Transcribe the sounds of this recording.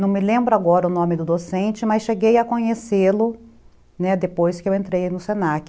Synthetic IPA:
nɐ̃w̃mɪlẽmbɾʊaɡɔɾɐʊnõmɪd̪ʊd̪osẽnt͡ʃɪmasʃeɡejɐkõɲeselʊ | nɛd̪epojskɪewẽnt̪ɾejnʊsenakɪ

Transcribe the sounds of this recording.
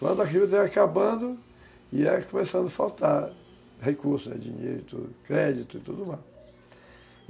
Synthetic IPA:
kɐ̰̃d̪ʊak̬iʊt̪ɛakabɐ̃d̪ʊ | ɪɛkõmesɐ̃nd̪ʊfawt̪a | hekuɾsʊnɛ̰d͡ʒḭ̃ɲḛɾʊit̪ṵdkɾɛd͡ʒit̪ʊit̪ud̪ʊmas

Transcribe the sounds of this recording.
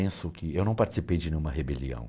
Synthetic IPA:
ẽsʊkɪewnɐ̃w̃paɾt͡ʃɪ̥sipejd͡ʒɪnẽɲũmɐɦebeliɐ̰̃w̃

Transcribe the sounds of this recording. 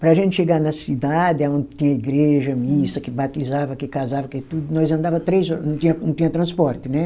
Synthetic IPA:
pɾɐaʒẽnt̪ɪʃeɡanɐsid̪ad̪ɪaõnd̪ɪt̪ĩɲɐiɡɾeʒɐmisɐkɪbat̪izavɐkɪkazavɐkɪt̪ud̪ʊnɔjzɐ̃nd̪avɐ̃t̪ɾejzɔɾnɐ̃w̃t̪ĩɲɐnɐ̃w̃t̪ĩɲɐt̪ɾɐ̃spɔɾt̪ɪnɛ

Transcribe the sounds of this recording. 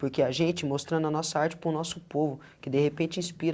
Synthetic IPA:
poɾkeaʒẽnt͡ʃɪmost̪ɾɐ̃nd̪ʊɐnɔsɐaɾt͡ʃɪ̥pɾʊ̃nɔsʊpovʊ | kɪd̪ehepẽt͡ʃɪĩspiɾ

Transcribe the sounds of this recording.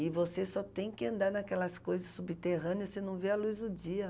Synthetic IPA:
ɪvosesɔt̪ẽj̃kɪɐ̃nd̪aɾnɐkɛlɐskojzɐsːubit̪eɦɐ̃nɪɐssenɐ̃w̃veɐlujzd̪ʊd͡ʒiɐ

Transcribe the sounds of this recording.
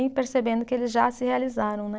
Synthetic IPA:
j̃peɾsebẽnd̪ʊkɪelɪzʒasɪhealizaɾɐ̃w̃nɛ

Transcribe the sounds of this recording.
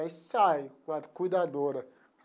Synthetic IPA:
jsajkãt̪kujd̪ad̪oɾɐ

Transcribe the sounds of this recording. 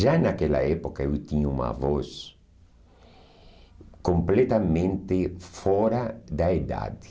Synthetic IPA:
ʒanakɛla̰ɛpokaewt̪iɲuma̰vɔs | komplɛt̪amẽnt̪ɪfɔɾad̪aed̪a̰d̪ɪ

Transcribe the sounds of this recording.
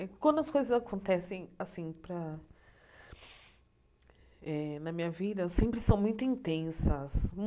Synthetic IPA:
ɛkwɐ̃nd̪ʊɐskojzɐzakõnt̪ɛsẽj̃asĩpɾɐ | ɛnɐmĩɲɐvid̪ɐsẽmpɾɪsɐ̃w̃mũj̃t̪ʊĩnt̪ẽsɐsm

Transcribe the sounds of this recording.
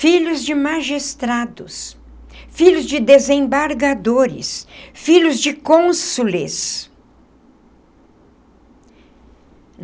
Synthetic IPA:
fiʎʊzd͡ʒɪmaʒist̪ɾad̪ʊs | fiʎʊzd͡ʒɪd̪ezẽbaɾɡad̪oɾɪ̰sfiʎʊzd͡ʒɪkõsulɪs

